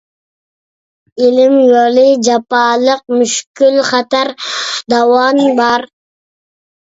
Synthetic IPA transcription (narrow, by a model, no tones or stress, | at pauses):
ilɪmjolɪd͡ʒɑpɑːlˠəq̚myʃkʲylχɑt̪æɾd̪ɑwɑnbɑɾ